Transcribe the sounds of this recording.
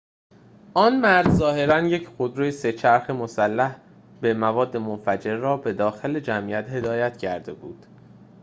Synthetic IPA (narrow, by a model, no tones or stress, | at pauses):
ʔɒːnmæɾzzɒːhe̞ɾænje̞cʰxod̪ɾujese̞t͡ʃʰæɾxemosælːæh | be̞mævɒːd̪ːe̞monfæd͡ʒe̞ɾrɒːbe̞d̪ɒːxe̞le̞d͡ʒæmʔijæt̪he̞d̪ɒːjæt̪ʰcʰæɾd̪e̞buːd̪̥